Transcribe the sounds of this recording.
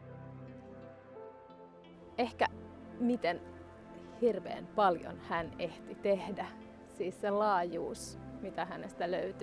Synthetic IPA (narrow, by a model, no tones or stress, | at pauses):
e̞hkæ | mit̪en | hirʋe̞̰ːmpɑljo̰nhæne̞ht̪it̪e̞hdæ | siːsːelɑːjuːsmit̪æɦæne̞st̪æløyt̪y